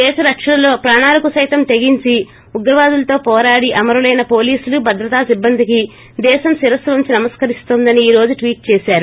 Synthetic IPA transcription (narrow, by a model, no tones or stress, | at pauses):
d̪ɛːʃɐɾɐkʂɐlɐlo̞ːpɾaːɳaːlɐkusɐjt̪ɐmt̪eɡiɲt͡ʃi | uɡɾɐʋaːd̪ulɐt̪o̞ːpɔːɾaːɽiʔɐmɐɾɐlɐjnɐpo̞ːliːsulubʱɐd̪ɾɐt̪aːsibːɐnd̪iki | d̪ɛːʃɐmsiɾɐsɐʋɐɲt͡ʃinɐmɐskɐɾist̪oːnd̪ɐniiːɾo̞ːd͡ʒuʈʋiːʈ̚t͡ʃeːʃaːɾu